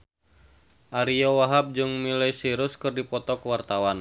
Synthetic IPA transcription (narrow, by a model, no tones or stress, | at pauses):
ʔaɾiowaɦap̚d͡ʒɨŋmilajsiɾʊskɨrdipɔt̪ɔkəwart̪awan